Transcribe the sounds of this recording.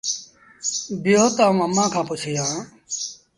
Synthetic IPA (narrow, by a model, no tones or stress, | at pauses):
bɪjoot̪aːũːəmãːkʰãːpʊt͡ʃʰːjãː